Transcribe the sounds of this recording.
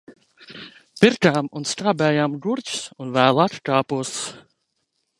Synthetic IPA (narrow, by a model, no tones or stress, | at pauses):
piɾkaːmunst̪aːbɛːjaːmɡuɾt͡ɕsunvæːlˠat̪kaːpuːs